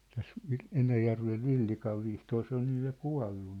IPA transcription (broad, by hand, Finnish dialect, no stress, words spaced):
tæs ʋi enæjærʋeʋ ʋilːikɑʋ ʋihtoːr se on nyj jɑ kuɑ̝lːu